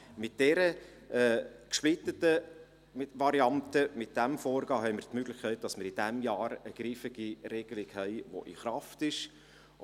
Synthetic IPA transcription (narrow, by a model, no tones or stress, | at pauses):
mɪt̚d̥ɛɾə | ɛkʃplɪtətə | mɪʋɑɾiɑntəmɪt̚d̥æmfɔːɾɡɑːɦɛɪməɾt̪møɡlɪχkʰɛɪt̚d̥ɑsməɾid̥æmjɑːɾəɡ̥ɾiːfɪɡ̥iɾɛɡ̥əlɪkhɛɪʋo̰ʔḭχɾɑftɪʃ